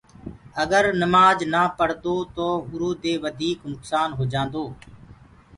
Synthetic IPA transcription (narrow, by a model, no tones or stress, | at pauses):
əɡəɾnəmaːd͡ʒnaːpəɽ̤d̪oːt̪oːʊɾoːd̪eːʋəd̪ʱiːknʊksaːnɦoːd͡ʒãːnd̪oː